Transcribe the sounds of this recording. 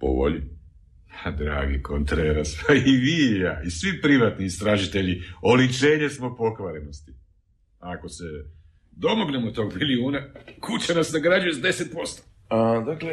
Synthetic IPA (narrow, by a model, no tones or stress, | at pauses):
po̰bo̰ʎḭ | ad̪ɾa̰ːɡikont̪ɾeːɾaspaiʋiːjaisʋipɾiʋat̪niːst̪ɾaːʒit̪e̞ʎio̞lit͡ʃe̞ːɲe̞smo̞po̞kʋaɾeno̞st̪i̥ | ako̞se | d̪o̞mo̞ɡnemot̪o̞ːɡmiliuːnakut͡ɕanasnaɡɾad͡ʑujezad̪e̞set̪̚po̞st̪o̥ | ad̪akle